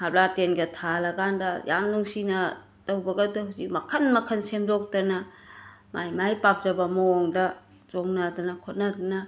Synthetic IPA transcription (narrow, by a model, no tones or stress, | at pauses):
hablatenɡɐtʰalɐɡandɐja̰mnuŋsinɐ | tɐwbɐɡɐdoɦuzik̚mɐkʰɐnmɐkʰɐnsemdok̚tɐnɐ | majmajpap̚zɐbɐmaoŋdɐ | zoŋnadɐnɐkʰot̚nɐdɐnɐ